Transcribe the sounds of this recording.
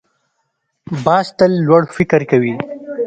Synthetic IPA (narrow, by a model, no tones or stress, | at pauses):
bɑːst̪əlːwaɽfɪkɾkawi